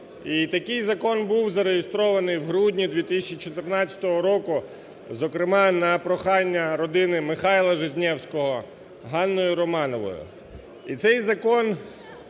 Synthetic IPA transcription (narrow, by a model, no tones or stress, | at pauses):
it̪ɐkɪjzɐkɔnbuwzɐɾeɦɪst̪ɾɔʋɐnɪjwɦɾudʲnʲid̪ʲʋʲit̪ɪsʲɛt͡ʃit͡ʃɔt̪ɪrnɑt͡st͡sʲɐ̥t̪ɔɦɔɾɔkʊ | zɔkɾɪmɑnɐpɾɔxɑnʲːɐɾɔd̪ɪnɪmɪxɑjlˠɐʒɪzʲnʲɛwsʲkɔɦɔ | ɦɑnːɔjʊɾɔmɑnɔʋɔ̰jʊ̰ | it̪sɛjzɐkɔn